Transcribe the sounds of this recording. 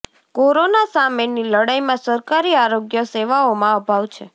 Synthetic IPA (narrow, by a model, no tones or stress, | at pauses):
koɾonasameniləɽajmãsəɾkaɾiaɾoɡjəseʋaomãəbʱaʋt͡ʃʰe